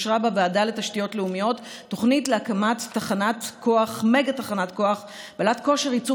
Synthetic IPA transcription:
ʃʁabaveadaletaʃtijo̞tleumijo̞tː | o̞χnitleakamatːaχanatkʰo̞aχmeɡataχanatko̞aχ | balatko̞ʃeʁit͡su

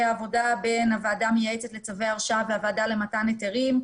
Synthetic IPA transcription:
aːvo̞dabe̞navaadamejaet͡set̪le̞t͡savejaʁʃaveavadale̞mataneteʁim

